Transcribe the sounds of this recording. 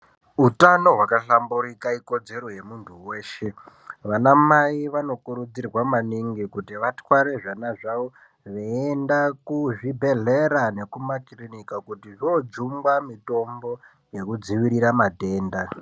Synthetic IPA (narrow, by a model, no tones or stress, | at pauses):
utano̞ɦwakaɬambuɾikaiko̞d͡ze̞ɾo̞je̞muntʰuwe̞ːʃe | ʋanamaiʋano̞kuɾud͡zirwamaniŋɡikutiʋatwaɾe̞ʐanaʐao | ʋeendakuʐibʱe̞ɮe̞ɾane̞kumakrinikakutiʐiod͡zumɡamito̞mbo̞ | je̞kud͡ziʋiɾiɾamate̞ːnda